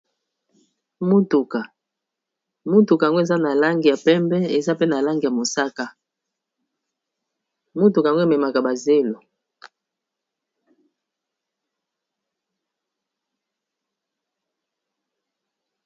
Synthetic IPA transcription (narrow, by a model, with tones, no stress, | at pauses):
mu˦tu˨ka˨ | mu˦tu˨ka˨ŋɡo˦e˨za˦na˨la˦ŋɡi˨ja˨pɛ˦mbɛ˦e˨za˦pe˦na˨la˦ŋɡi˨ja˨mo˨sa˦ka˦ | mo˦tu˨ka˨ŋɡo˦˨mɛ˨ma˨ka˨ba˨ze˦lo˨